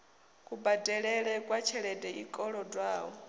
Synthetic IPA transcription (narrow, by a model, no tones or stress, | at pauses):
kʼubadɛɺɛɺɛkʼwat͡ʃʰɛɺɛdʼɛikʼɔɺɔdwaːɔ